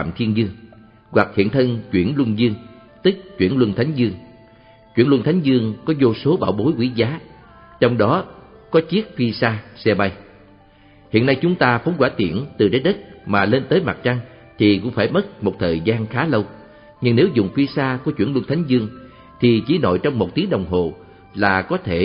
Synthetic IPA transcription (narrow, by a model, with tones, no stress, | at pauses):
a̰ː˧˨mt̪ʰi˧ənzɨ˧əŋ | ɣwa˨˩k̚hḭ˧˨ənt̪ʰə˧nt͡ɕwḭ˧˩ənlwə˧nzɨ˧əŋ | t̪ɨ˦˥k̚t͡ɕwi˧˩ənlwə˧nt̪ʰa˨˦jŋ̟zɨ˧əŋ | t͡ɕwḭ˧˩ənlwə˧nt̪ʰa˨˦ŋ̟zɨ˧əŋkɔ˨˦zo˧so˨˦ɓaː˧˩wɓo˨˦jkwi˧˦zaː˨˦ | t͡ɕɔ˧wŋ͡mɗɔ˨˦kɔ˨˦t͡ɕi˦˥ət̚fi˧saː˧sɛ˧ɓa˧j | hḭ˧˨ənːa˧jt͡ɕʊ˨˦ŋ͡mt̪aː˧fə˨˦nkwaː˧˩t̪ḭ˧˩˨ənt̪ɨ˨˩ɗe˨˦jɗə˦˥t̚maː˨˩le˧nt̪əː˨˦jma̰˨˩t̚t͡ɕa˧ŋ | t̪ʰi˨˩kʊ̰˧˥ŋ͡mfaː˧˩jmə˦˥t̚mo˨˩t̚t̪ʰəː˨˩jzaː˧nxaː˨˦lə˧w | ɲɨ˧ŋne˨˦wzʊ̰˨˩ŋ͡mfi˧saː˧ku˧˩ət͡ɕwi˧˩əlwə˧nt̪ʰa˨˦jŋ̟zɨ˧əŋ | t̪ʰi˨˩t͡ɕi˧˩no̰˧˨jt͡ɕɔ˧wŋ͡mmo˨˩t̚t̪i˨˦ɗə˨˩wŋ͡mɦo˨˩ | laː˨˩kɔ˨˦t̪ʰe˧˩